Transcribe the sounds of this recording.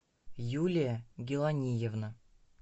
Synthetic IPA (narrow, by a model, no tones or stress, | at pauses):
julʲɪjəɡʲɪlˠɐnʲijɪvnə